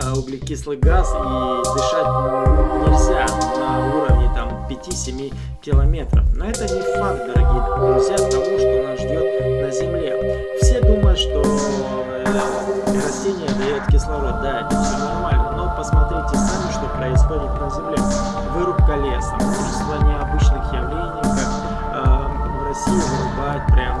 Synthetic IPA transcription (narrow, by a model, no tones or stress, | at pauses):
oɡlʲɪkʲislˠɨɡazidʲɪʂat̚ʲnʲɪlʲzʲanɐuɾəvnʲɪt̪ampʲɪtʲisʲɪmʲi | kʲɪlˠɐmʲe̞t̪ɾə̰fnoɛt̪ənʲɪfak̪̚d̪əɾɐɡʲijd̪ɾʊzʲjast̪ɐvuʂt̪onasʐdʲo̞t̪̚nəzʲɪmlʲe̞ | fsʲe̞d̪uməjʊt̪ʂt̪o | ɾɐzʲtʲenʲɪjəd̪ɐjot̪kʲɪslˠɐvad̪aɛt̪əfsʲovnɐrmalʲnənopəsmɐt̪ɾʲitʲɪsʲɐmiʂt̪o̞pɾəɪsxo̞dʲɪt̪nəzʲɪmlʲe | vɨɾʊpkɐlʲe̞sɐsuʃɪst̪vanʲɪɐbɨt͡ɕnɨxjɐɡɾʲinəfkak | rɐsʲijʊvɐlʲʊbajʊt̪̚pɾʲam